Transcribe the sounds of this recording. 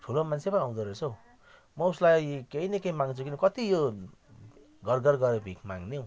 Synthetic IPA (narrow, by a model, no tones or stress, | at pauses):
ʈʰulomant͡sʰepʌnĩaw̃d̪ʌɾet͡sʰow | mʌuslajkeinekejmaŋt͡sʰukinʌkʌt̪ijo | ɡʌrɡʌrɡʌɾebʱikmaŋnew̃